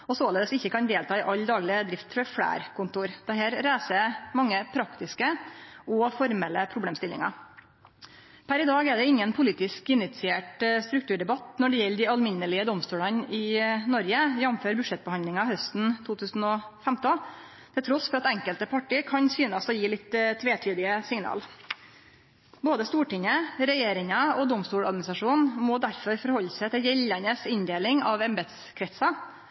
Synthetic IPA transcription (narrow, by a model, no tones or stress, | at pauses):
ɔsoːleːd̪əsɪçːəkɑnd̪eːlt̪ʰɑːɪʔɑlːd̪ɑːɡlɪəd̪ɾɪft̪fɔfɽæ̰ːɾkʊnt̪uːɾd̪̥ɛheːɾɾæːsəmɑŋːəpʰɾɑkt̪ɪskəɔfɔɾmɛlːəpʰɾʊbleːmst̪ɪlːɪ̰ŋɑ̰ | pʰæɾɪd̪ɑːɡɛɖɛɪŋːənpʰʊliːt̪ɪskɪnɪt̪sɪeːʈst̪ɾʉkt̪ʉːɖɛbɑt̪nɔɖɛjɛlːd̪ɪɑlmɪnːəlɪəd̪ɔmst̪uːlɑnɪnɔɾjəjɛmføːɾbʉʂɛt̪̚bəhɑnd̪lɪŋɑhœst̪n̩t̪ʰuːt̪ʰʉːsn̩ɔfɛmt̪ɔ | t̪ʰɪlt̪ɾɔsfɔɾɑt̪ɛŋkəlt̪əpʰɑʈikʰɑnsyːnɑsɔjiːlɪt̪ːt̪ʰːʋeːt̪ʰyːd̪ɪəsɪŋnɑ̰ːl | boːd̪əst̪uːʈɪŋəɾɛjeːɾɪŋɑɔd̪ɔmst̪uːlɑ̰d̪mnsɑʂuːnmɔd̪æɾfɔɾfɔɾhɔlːsət̪ʰɪljɛlːɑnəsɪnd̪eːlɪŋɑʋɛmbɛt̪s | kʰɾɛt̪sɑ